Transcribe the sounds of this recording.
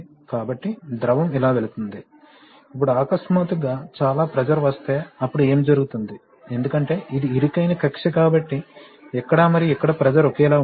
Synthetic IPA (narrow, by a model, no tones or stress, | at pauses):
kaːbɐʈːid̪ɾɐʋɐmilaːʋeɭut̪und̪i | ɐpːuɽuaːkɐsmɐt̪uɡaːt͡ʃaːlaːpɾɐd͡ʒɐɾʋɐst̪e̞ːɐpːuɽue̞ːmd͡ʒɐɾuɡut̪und̪i | e̞nd̪ukɐɳʈe̞ːʔid̪iːɾikɐjnɐkɐkʂɐkaːbɐʈːi | ɛkːɐɽaːmɐɾiɛkːɐɽɐpɾɐd͡ʒɐɾokɛːlaː